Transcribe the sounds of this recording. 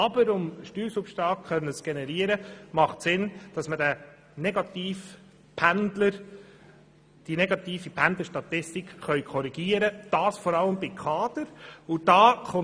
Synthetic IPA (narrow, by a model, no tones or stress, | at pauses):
ɑbəɾʊmʃtyːɾsupʃtɑːkχœnːət͡sɡ̥enɛɾiəɾəmɑχtsɪnd̥ɑsmədæ | nɛɡɑt̪iːf | pʰændləɾ | d̥inɛɡɑt̪iːfipʰændləʃtɑt̪ɪstikχœʏkʰɔɾiɡ̥iəɾəd̥ɑːsfɔɾɑləmbɪkʰχɑːd̥̪əɾʊd̥ɑːχʊ